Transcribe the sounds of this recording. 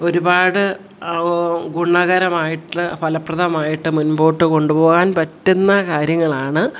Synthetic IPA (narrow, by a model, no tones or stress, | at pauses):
o̞ɾubaːɽɨ | ɡuɳːɐɣɐɾɐmaːjiʈːɨpɐlɐprɐðʱɐmaːjiʈːɨmunboːʈːɨko̞ɳɖupo̞ːɣaːnpɐtːunːɐkaːɾjɐŋːɐɭaːɳɨ